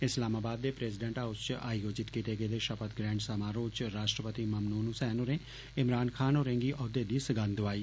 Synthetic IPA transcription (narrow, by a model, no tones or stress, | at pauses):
ɪslaːmaːbaːd̪ːeːpɾɛːsɪɖẽɳʈaːʊst͡ʃaːijoːd͡ʒɪt̪kit̪eːɡeːd̪eːʃəpət̪ɡɾɛ̃ːɳɖsəmaːɾoːt͡ʃɾaːʃʈɾəpət̪iməmnuːnusɛːnoːɾẽː | ɪmɾaːnkʰaːnoːɾẽːŋɡiːʔɔːd̪eːd̪iːsəɡənd̪ʊʋaːiː